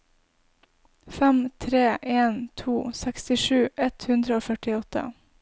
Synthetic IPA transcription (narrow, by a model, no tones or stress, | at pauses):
fɛmt̪ʰɾeːʔeːnt̪ʰuːsækst̪ɪʂʉːʔɛt̪hʉnd̪ɾəoːfœʈɪɔt̪ə̰